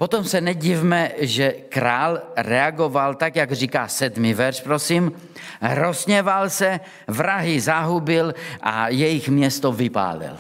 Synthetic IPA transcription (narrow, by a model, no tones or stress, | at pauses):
pot̪omsɛnɛɟivmɛʒɛkɾaːlɾɛaɡovalt̪akjaɡr̝iːkaːsɛd̪mivɛɾʃpɾosim | ɾosɲɛvalsɛ | vɾaɦɪzaɦubɪlʔa̰jɛjɪxmɲɛst̪ovɪpa̰ːlɪ̰l